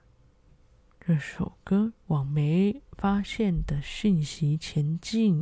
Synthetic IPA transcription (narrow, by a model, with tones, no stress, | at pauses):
ɻɤ˥˩ʂo˨˩ʊkə˥wɑ˨˩ŋme˧˥ɪfa˥ɕjɛ˥˩nd̪ə˩ɕi˥˩nɕi˧˥t͡ɕʰjɛ˧˥nt͡ɕi˥˩n